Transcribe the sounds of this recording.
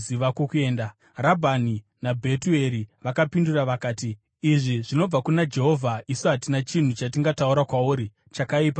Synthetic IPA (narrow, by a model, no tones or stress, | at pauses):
iʋakokue̞ːnda | rabʱani | nabʱe̞tue̞ɾiʋakapinduraʋakaːtiː | ʐiʐino̞b͡vakunad͡ʒe̞ɦo̞vʱaʔisuɦatinat͡ʃin̤ut͡ʃatiŋɡatauɾakwauːɾi | t͡ʃakaiːpa